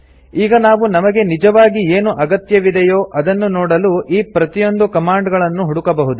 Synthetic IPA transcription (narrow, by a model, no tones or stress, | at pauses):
iːɡɐnaːʋunɐmɐɡe̞nid͡ʒɐʋaːɡieːnuʔɐɡɐt̪jɐʋid̪ɐjoːʔɐd̪ɐnːunoːɽɐluʔiːpɾɐt̪ijo̞nd̪ukɐmaːɳɖɡɐɭɐnːuɦuɽukɐbɐɦud̪u